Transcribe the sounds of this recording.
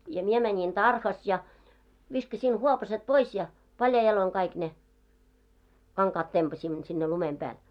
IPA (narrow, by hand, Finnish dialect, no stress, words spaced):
jɑ mie mænʲiŋ tɑrhɑs jɑ ʋiskɑsin huopɑset pois jɑ pɑljɑi jɑloiŋ kɑik ne kɑŋkɑːt tempɑsʲimːo sinːe lumem pæːl